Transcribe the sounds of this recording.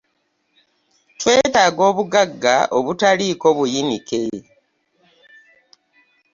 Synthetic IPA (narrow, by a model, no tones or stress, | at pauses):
twe̞ːtaːɡo̞ːβuɡaɡːa̰ʔoβutaliːko̞βujinike